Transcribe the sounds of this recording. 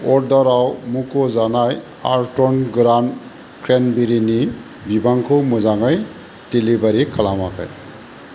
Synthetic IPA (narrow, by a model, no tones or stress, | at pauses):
ɔɹdɔɾawmukɔzanaj | a̰ɹtɔnɡɾan | kʰɹenbiɾini | bibaŋkʰɔmɔzaŋaj | d̥elibaɾikʰalamakʰa̰j